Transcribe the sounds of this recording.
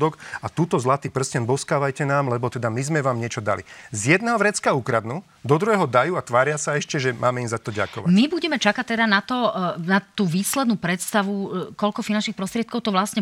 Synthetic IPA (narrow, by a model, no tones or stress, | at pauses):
d̪ɔkat̪uːt̪ɔzlat̪iːpr̩scɛnbɔskaːʋajcɛnaːmlɛbɔt̪ɛd̪amizmɛʋaːmɲɛt͡ʃɔd̪a̰lḭzjɛd̪nɛːɦɔʋɾɛt͡skaukɾad̪nuː | d̪ɔd̪ɾuɦɛːɦɔd̪ajuːat̪ʋaːɾɪasaɛʃcɛʒɛmʔaːmɛimzat̪ɔɟa̰kɔ̰ʋamibuɟɛmɛt͡ʃakac̚t̪ɛd̪anat̪ɔnat̪uːʋiːslɛd̪nuːpɾɛt̪st̪aʋukɔʎkɔfinant͡ʃnixpɾɔst̪ɾɪɛt̪kɔʊt̪ɔʋlasɲɛ